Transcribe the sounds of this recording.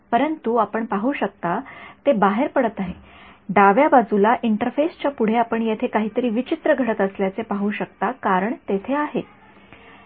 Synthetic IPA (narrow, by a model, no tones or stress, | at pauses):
pəɾənt̪uapəɳpaɦuːɕək̚t̪at̪ebaɦeɾpəɽət̪aɦe | ɖaʋjabad͡zulaʔiɳʈəɾfest͡ɕjapuɽ̤eapəɳjet̪ʰekaɦiːt̪əɾiːʋit͡ɕit̪ɾəɡʱəɽət̪əsljat͡sepaɦuːɕəkt̪akaɾəɳt̪et̪ʰeaɦe